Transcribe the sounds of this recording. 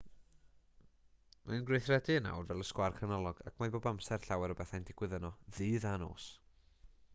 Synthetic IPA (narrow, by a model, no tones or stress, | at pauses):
manɡrejθrɛdɨna̰wrvɛlˠəskwarkʰənɔlˠɔɡ̥a̰kʰmajboːbamsɛr̥ɬawɛɾɔbɛθajndɪɡ̥wɪðənɔðɨːðano̰ːs